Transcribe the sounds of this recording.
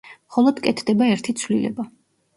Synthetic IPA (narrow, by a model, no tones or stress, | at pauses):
mχɔlˠɔd̪̥kʼɛt̪ʰd̪ɛbaɛɾt̪ʰit̪sʰvlilɛ̰ba